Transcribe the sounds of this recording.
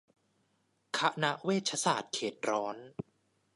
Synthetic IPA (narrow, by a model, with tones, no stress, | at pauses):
kʰa˦˥ʔna˦˥ʔweː˥˩t̪̚t͡ɕʰa˧˥saː˨˩t̪̚kʰeː˨˩t̪̚ɾɔː˦˥n